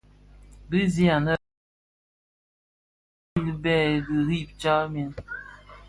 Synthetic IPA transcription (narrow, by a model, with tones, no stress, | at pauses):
bi˦zi˦a˨nə˦˨˦ | li˦bɛ˦˨di˨ɾi˦˨p̚t͡ʃa˦mi˦n